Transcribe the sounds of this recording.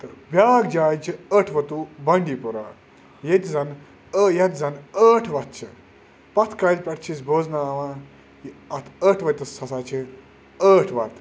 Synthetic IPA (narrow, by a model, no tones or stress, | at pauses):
t̪ɨbʲaːɡd͡ʒaːjt͡ʃʰiəʈʰʋɐt̪ubɐɳɖiːpuɾa̰ | jet̪ʲzɐn | əjɐt̪ʲzɐnəːʈʰʋɐt̪̚t͡ʃʰɨ̰ | pɐt̪ʰkɐlʲpʲɐʈʰt͡ʃʰis̬boːznaːʋãː | jiɐt̪ʰəʈʰʋɐt̪ʲt̪ɐssɐsaːt͡ʃʰi | əːʈʰʋɐt̪